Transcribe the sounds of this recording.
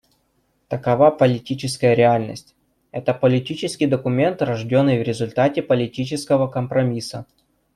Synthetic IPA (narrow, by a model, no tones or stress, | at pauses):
t̪əkɐvapəlʲɪtʲit͡ɕɪskəjəɾʲɪalʲnə̰sʲtʲ | ɛt̪əpəlʲɪtʲit͡ɕɪskʲijd̪əkʊmʲe̞nt̪rɐʐdʲo̞nːɨjvɾʲɪzʊlʲt̪atʲɪpəlʲɪtʲit͡ɕɪskəvəkəmpɾɐmʲisə̰